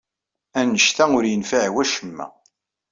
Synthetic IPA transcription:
ænəʃt̪æʊɾjənfaʕwæʃəmːæ̰

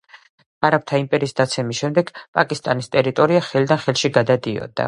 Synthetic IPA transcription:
aɾap̚t̪ʰaimpʼɛɾiːsd̪at̪sʰɛmisʃɛmd̪ɛɡ̥pʼakʼist̪ʼanist̪ʼɛɾit̪ʼɔɾiaχɛlid̪anχɛlˠʃiɡad̪ad̪iɔ̰d̪̥a̰

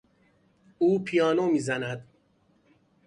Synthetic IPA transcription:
uːpʰijɒːnomiːzænæd̪

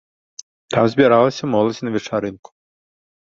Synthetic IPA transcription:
t̪amzʲbʲiɾalˠɐsʲɐmɔlˠɐd͡zʲnɐvʲɛt͡ʂaɾɨnkʊ̥

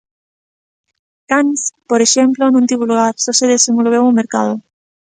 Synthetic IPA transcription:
k̪anspoɾeʃemplonũnt̪iβuluɣaɾsoseðesemɡolβewumeɾkað̞o

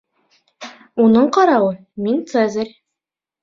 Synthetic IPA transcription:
unɤɴqɑɾɑwɤ | mint̪sɛzʲɘɾʲ

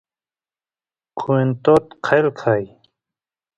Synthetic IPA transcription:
kʰuent̪oːt̪qʰajlkʰaːj

